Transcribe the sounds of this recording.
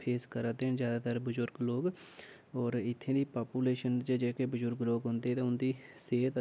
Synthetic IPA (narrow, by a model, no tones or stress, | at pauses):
pʰeːskəɾat̪enzjaːd̪aːt̪əɾbəzʊɾɡloːɡ | ɔːɾɪt̪ʰːẽːd̪iːpaːpuːleːʃənt͡ʃəd͡ʒeːkeːbəzʊɾɡloːɡɦʊ̃nd̪eːɛːt̪ãːʊnd̪iː | seːt̪